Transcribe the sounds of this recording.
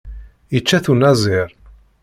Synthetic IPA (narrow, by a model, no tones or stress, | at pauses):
jət͡ʃːæθunæzˤɪɾˤ